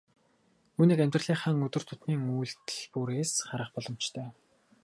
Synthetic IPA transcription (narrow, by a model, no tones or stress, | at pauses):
uːniːkæmʲt̪rə̆ɮiːχaːŋɵt̪ɵ̆r̥t̪ʰʊ̥t̪niːŋujɮt̪ɮpuːɾeːsχaɾə̆χpɔɮɞ̆m̥t͡ɕt̪ʰœː